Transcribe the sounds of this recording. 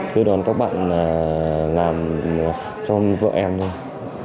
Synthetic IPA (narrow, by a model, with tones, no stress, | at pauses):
t̪ɨ˧˦ɗɔ˨˦nkaː˦˥k̚ɓa̰ː˧˨naː˨˩laː˨˩m˨˩ | sɔ˧mvə̰ː˧˨ʔɛ˧mt̪o˧j